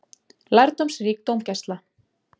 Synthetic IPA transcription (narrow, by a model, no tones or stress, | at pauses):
lajɾt̪ɔmsriːk̚t̪owmcɛst̪la